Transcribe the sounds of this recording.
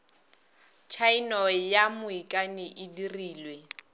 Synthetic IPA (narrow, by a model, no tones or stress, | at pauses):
t͡ʃʰainɔjamʊikʼanɪʔɪdiriːlwe